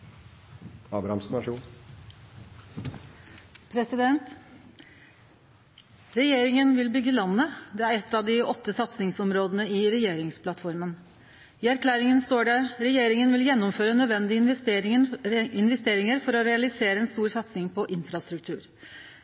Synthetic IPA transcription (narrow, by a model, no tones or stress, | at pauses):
ɑːbɾɑhɑmsnɑʂuːn | pʰɾɛsɪd̪ɛnt̪ | ɾɛjeːɾɪŋənʋɪlbʏɡːəlɑnːəd̪ɛːæɾɛt̪ːɑʋd̪ɪɔt̪ːəsɑt̪snɪŋsɔmɾoːd̪ənəɪɾɛjeːɾɪŋspʰlɑt̪fɔɾmən | ɪæɾkʰlæːɾɪŋənst̪oːɖɛɾɛjeːɾɪŋənʋɪljɛnːʊmføːɾənœd̪ʋɛnd̪ɪɾɪəɪnʋɛst̪eːɾɪŋəɾfɔɾɔɾɛɑlɪseːɾəɛnst̪uːɾsɑt̪sɪŋpʰɔʔɪnfɾɑst̪ɾʉk̚t̪ʰʉ̰ːɾ